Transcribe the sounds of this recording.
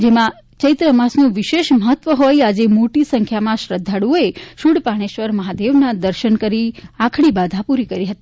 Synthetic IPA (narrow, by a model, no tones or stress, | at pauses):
d͡ʒemã | t͡ʃəjt̪ɾəmasnũʋiʃeʃməɦət̪ːʋəɦojad͡ʒemoʈisəŋkʰjamãʃɾəd̪ʱːaɽuoeʃuɽpaɽ̃eʃʋəɾməɦad̪eʋnad̪əɾʃənkəɾiakʰɽ̃ibad̪ʱapuɾikəɾiɦət̪i